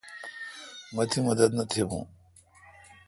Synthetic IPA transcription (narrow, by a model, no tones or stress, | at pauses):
mɐt̪ʰimɐd̪ɐd̪nɐt̪ʰiɦṵ̃